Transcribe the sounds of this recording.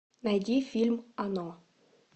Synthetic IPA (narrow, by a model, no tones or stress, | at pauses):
nad̪ʲifilmanɑ̃